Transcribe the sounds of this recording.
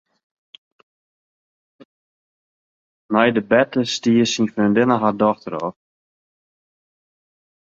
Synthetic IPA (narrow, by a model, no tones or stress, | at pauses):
mɛjdəbɛtəstiəsinføːndɪnəɦardɔxtəɾɔ̰